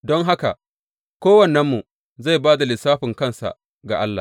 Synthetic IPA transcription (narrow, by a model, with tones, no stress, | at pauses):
dɔ˦ŋɦa˦ka̰˨ | kʷoː˦wɐ˨nɛ˦mːu˨ | za˦˨baː˦da˨lɪ˨saː˦ɸɪ˨ŋkɐ˦˨nsa̰˨ʔ | ɡa˨ʔa˦lːa̰˨